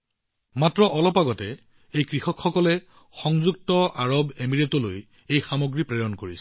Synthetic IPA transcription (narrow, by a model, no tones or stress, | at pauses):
matɹɔʔɔlɔpaɡɔtɛ | ejkɹixɔkʰxɔkɔlɛ | xɔŋzuk̚tɔʔaɹɔbemiɹetɔloj | ejxamoɡɹipɹeɹɔnkoɹisɛ